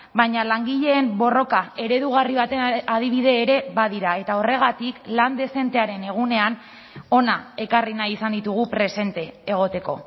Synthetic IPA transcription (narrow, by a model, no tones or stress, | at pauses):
bajɲalaŋɡiʎe̞ːmbo̞ro̞kae̞ɾe̞ðuɣ̞ariβ̞at̪e̞að̞iβ̞ið̞e̞ːɾe̞βað̞iɾae̞t̪ao̞re̞ɣ̞at̪ikland̪e̞se̞nt̪e̞aɾe̞ne̞ɣ̞une̞an | o̞nae̞karinajisand̪it̪uɣ̞upɾe̞se̞nt̪e̞ːɣ̞o̞t̪e̞ko̞̰